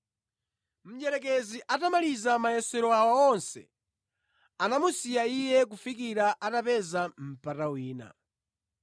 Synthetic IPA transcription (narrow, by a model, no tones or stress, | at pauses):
m̩d͡ʒɛɾɛk̬ɛziʔatamalizamajɛsɛɾɔawɔɔnsɛ̰ | anamusijaijɛkufikiɾaʔatapɛzam̩patawiːna̰